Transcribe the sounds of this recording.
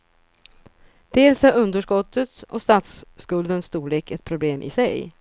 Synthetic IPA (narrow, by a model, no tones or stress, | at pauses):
d̪̥eːlsæɾɵnd̪əʂkɔt̪ʰːət̪ɔ̰st̪aːt̪skɵld̪ənst̪uːɭeːkɛt̪̚pʰɾʊbleːmʔɪ̰sɛj